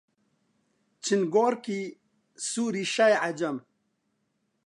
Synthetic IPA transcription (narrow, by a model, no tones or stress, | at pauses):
t͡ɕʰinɡoːɾki | suːɾiɕajʕad͡ʑɐm